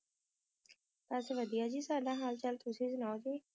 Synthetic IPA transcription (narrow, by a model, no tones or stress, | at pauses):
t̪aːseʋəd̪ijaːd͡ʒiːsaːɖaːɦaːlt͡ʃəlt̪ʊsiːzɪnaːod͡ʒiː